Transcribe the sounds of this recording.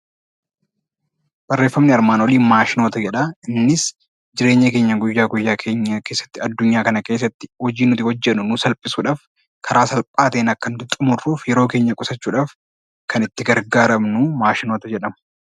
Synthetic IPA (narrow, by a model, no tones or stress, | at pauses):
b̥ɐrːe̞ːfːɐmnɪɐɾmaːnwɔliːnmaːʃɪnoːt̪ɐd͡ʒɛᶑɐɪnːɪs | d͡ʒɪɾe̞ːɲːɐke̞ːɲːɐɡʊjːaːɡʊjːaːkʰe̞ːɲːɐke̞ːsːɐ̥t̪ːɪɐd̪ːʊɲːaːkɐnɐke̞ːs̬ːɐt̪ːɪ̥hɔd͡ʒiːnʊt̪ɪhɔd͡ʒːɛnʊnʊsɐlpʼɪsuːᶑaːf | kʰɐɾaːsɐlpʼaːt̪eːnɐkːɐnd̪ɪt̪ʼʊmʊrːuːfjɛɾo̞ːke̞ːɲːɐkʼʊsɐt͡ʃːuːᶑaːf | kʰɐnɪt̪ːɪɡɐɾɡaːɾɐmnumaːʃɪnoːt̪ɐd͡ʒɛᶑɐmɐ̥